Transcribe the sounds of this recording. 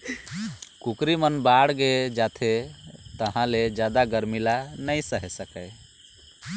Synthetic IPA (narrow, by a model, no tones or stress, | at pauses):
kukɾimənbaɽɡed͡ʒat̪ʰet̪əɦãled͡ʒjad̪aɡəɾmilanəjsəɦɛsəkəj